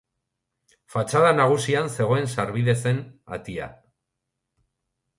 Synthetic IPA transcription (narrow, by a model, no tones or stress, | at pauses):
fat͡ʃaðanaɣ̞usianse̞ɣ̞o̞e̞nsaɾβiðe̞se̞na̰t̪ia̰